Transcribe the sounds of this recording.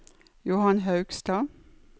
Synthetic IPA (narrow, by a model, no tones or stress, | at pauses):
jʊːhɑnɦɑʉɡ̥st̪ɑː